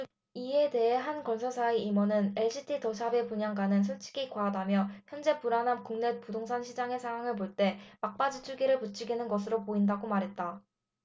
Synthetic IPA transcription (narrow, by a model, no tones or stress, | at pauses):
ie̞de̞ɦe̞ɦankʌnsʰasʰaiimʌnɯne̞ɭɕʰitʰitʌsʰabe̞puɲaŋɡwanɯnsʰuɭt͡ɕ͈ʰi̥ɡikwaɦːdamjʌçjʌnd͡ʑe̞puɾanamkuŋne̞t̚pudoŋsʰanɕʰid͡ʑaŋe̞sʰaŋɦwaŋɯɭpoɭt͈e̞mak̚p͈ad͡ʑit͡ɕʰuɡiɾɯɭput͡ɕʰiɡinɯnɡʌsʰɯɾopoindaɡomaɾɦe̞t̚t͈a